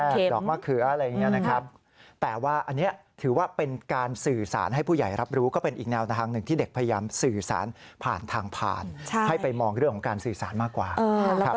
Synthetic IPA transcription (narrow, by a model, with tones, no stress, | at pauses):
ʔɛː˧e˧dɔː˨˩k̚maː˥˩kʰɯ˨˩˦ɾa˧ja˨˩ŋːi˦˥ɐna˦kʰɾa˦˥p̚ | t̪ɛː˨˩waː˥˩ʔa˧nːi˦˥ɐt̪ʰɯː˩˦waː˥˩pe˧nkaː˧nsɯː˨˩sa̰ː˩˦nha˥˩jpʰuː˥˩ja˨˩jɾa˦˥p̚ɾuː˦˥kɔː˥˩pe˧nʔiː˨˩k̚nɛː˧wt̪a˧t̪ʰaː˧ŋnɯ˨˩ŋt̪ʰiː˥˩de˨˩k̚pʰa˧ja˧jaː˧msɯː˨˩sa̰ː˩˦n | pʰa̰ː˨˩nt̪ʰaː˧ŋpʰa̰ː˨˩nt͡ɕʰa˥˩ha˥˩jpa˧jmɔː˧ŋɾɯ˥˩əŋʰɔ˩˦ŋkaː˧nsɯː˨˩saː˩˦nmaː˥˩kːwa̰ː˨˩ɤː˧˦lka˦